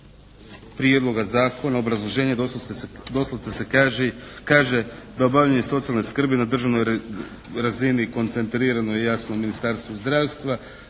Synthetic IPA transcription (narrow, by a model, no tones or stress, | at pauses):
pɾijed̪lˠo̞ɡazaːkʰo̞nao̞bɾazlˠoʒe̞ːɲed̪o̞slˠat̪esekaʒekaːʒe̞d̪aobavʎaɲeso̞t̪sijalneskr̩binad̪r̩ʒaʋno̞j | ɾaziniko̞nt̪se̞nt̪ɾiːɾanojejasnominist̪aːɾst̪ʋuzd̪ɾaːʋst̪ʋa